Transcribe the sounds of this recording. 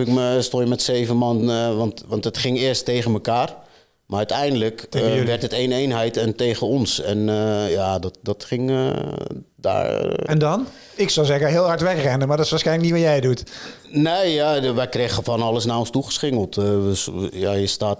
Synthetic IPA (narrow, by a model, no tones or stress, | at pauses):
ɪkməstojəmɛtseːvənmanʋɑntʋɑntətχɪŋɪəstːeːɣənməkaːr | marœɥtɛjndələkʋɛrtəteːneːnɦɛjtɛnteːɣəɔnsɛnjadɔtdɔtχɪŋ | da̰ɛndɔn | ɪksɔwzɛɣəɦɪːlˠɦɑɹtʋɛkrɛnəmadɔɪsʋaːsxɛjnlək̚nitʋɔjɛjdut | neːjaʋɛjkrexəfɔnɔlˠəsnaɔnstuχə̥sχɪŋəlˠtəjajəstaːt